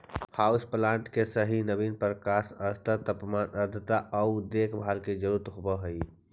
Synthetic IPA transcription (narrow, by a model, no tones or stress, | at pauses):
haːusplãːɳʈkesəɦinəbinpəɾkaːsəst̪ət̪əpmaːnəɾd̪ʱət̪aʔəud̪eːkʰbʱaːlked͡ʒəɾuɾt̪ɦobəɦəi